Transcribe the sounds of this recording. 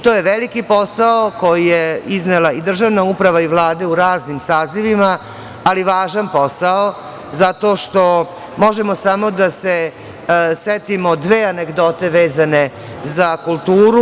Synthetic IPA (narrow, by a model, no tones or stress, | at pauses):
t̪oːjeʋelikiposaokojijeiznelaid̪r̩ʒaʋnaupɾaʋaiʋlˠaːd̪e̞uɾaːznimsaːziʋimaː | liʋaːʒanpo̞sao | zat̪o̞ːʃt̪o̞ | mo̞ʒemo̞samo̞d̪ase | sʋet̪imo̞d̪ʋeːaneɡd̪ot̪e̞ʋeːzane̞ | zakult̪uːɾu